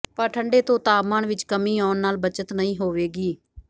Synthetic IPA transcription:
pəɾʈʰəɳɖeːt̪õːt̪aːmãːɳʋɪt͡ʃkəmĩːɔːnnaːlbət͡ʃət̪nəĩːɦoːʋeːɡiː

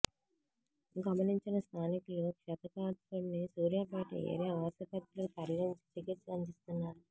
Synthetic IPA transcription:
ɡɐmɐniɲt͡ʃinɐst̪ʰaːnikulukʂɐt̪ɐkaːt̪uɾnisuːɾjaːpaːʈḭḛːɾiɐʋaːsɐpɐt̪ɾɐlut̪ɐɾiɾɐɲt͡ʃi̥tikiʈsɐɲd͡ʒist̪unːaːɾu

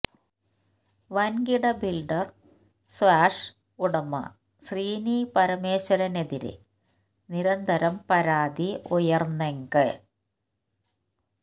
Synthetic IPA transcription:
ʋɐnɡiɽɐbilɖɐr | swaːʂ | uɽɐmɐ̰ | sriːniːpɐɾɐmeːɕɐɽɐne̞ðiɾɨ̰ | niɾɐnd̪ʱɐɾɐmpɐɾaːd̪iujɐrneŋɡɨ

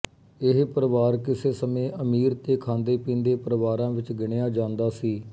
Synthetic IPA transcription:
ɪɦpəɾəʋaːɾkɪseːsəmẽːʔəmiːɾt̪eːkʰãːnd̪eːpĩːnd̪eːpəɾəʋaːɾãːʋɪt͡ʃɡɪɽ̃eaːd͡ʒãːnd̪aːsiː

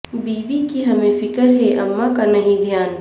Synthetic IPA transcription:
biːʋikiɦɐmẽfɪkəɾɦɛʔɐmːakanɐɦĩd̪ʱjaːn

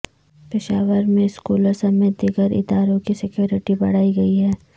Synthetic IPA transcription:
pɪʃaːʋəɾmẽɪskuːlosɐmẽd̪iːɡəɾʔɪ̰d̪aːɾõkisɪkjoːɾɪʈibɐ̰ɽ̤aːiɡɐiɦɛː

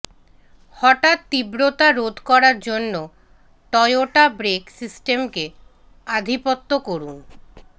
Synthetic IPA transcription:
hɔʈat̪ːibɾot̪aɾod̪ʱkɔɾaɾd͡ʑonːo | ʈɔjoʈabɾeksisʈemke | ad̪ʱipot̪ːokoɾun

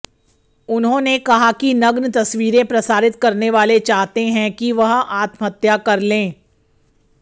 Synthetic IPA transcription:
ʊnɦõnekɐɦakinɐɡnt̪ɐsʋiːɾẽpɾɐsaːɾɪt̪kɐɾneʋaːlet͡ʃaːɦt̪eɦɛ̃kiʋɐɦaːt̪mɦɐt̪jakɐɾlẽː

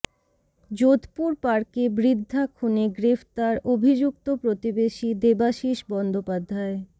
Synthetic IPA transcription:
d͡ʑot̪puɾpaɾkebɾid̪ʱːakʰuneɡɾeft̪aɾobʱid͡ʑuk̚t̪opɾot̪ibeʃid̪ebaʃiʃbɔnd̪opad̪ʱːae

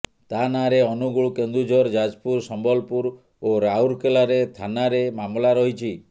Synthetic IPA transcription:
t̪anaɾeɔnuɡuɭukend̪ud͡ʒʱɔɾd͡ʒad͡ʒpuɾsɔmbɔlpuɾ | oɾauɾkelaɾet̪ʰanaɾemamlaɾɔɦit͡ʃʰi

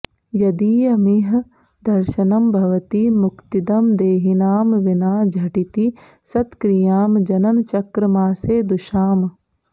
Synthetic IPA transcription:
jɐd̪iːjɐmiɦ | d̪ɐɾʃɐnɐmbʱɐʋɐt̪imʊkt̪id̪ɐmd̪eːɦinaːmʋinaːd͡ʒʱɐʈit̪i | sɐt̪kɾijaːmd͡ʒɐnɐnt͡ʃɐkɾɐmaːseːd̪uʃaːm

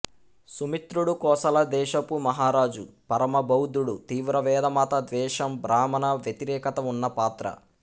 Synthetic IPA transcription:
sumit̪ɾuɽukɔːsɐlɐd̪ɛːʃɐpumɐɦaːɾaːd͡ʒupɐɾɐmɐbɐwd̪uɽut̪iːʋɾɐʋɛːd̪ɐmaːt̪ɐd̪ʋɛːʃɐmbɾaːmɐnɐʋjɐt̪iɾɛːkɐt̪ɐunːɐpaːt̪ɾɐ̰

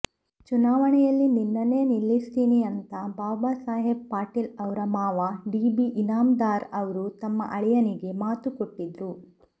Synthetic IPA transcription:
t͡ʃunaːʋɐɳɛjɐlːininːɐneːnilːist̪iːniɐnt̪ɐbaːbaːsaːɦibpaːʈilɐʋɾɐmaːʋɐɖiːbiʔːnaːmd̪aːɾɐʋɐɾut̪ɐmːɐ̰ʔɐɭijɐniɡe̞maːt̪ukoʈːid̪ɾu

